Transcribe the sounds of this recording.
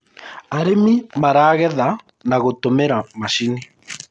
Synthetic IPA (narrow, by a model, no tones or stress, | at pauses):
aɾemimaɾaːɣɛða | naɣotomeɾamaʃini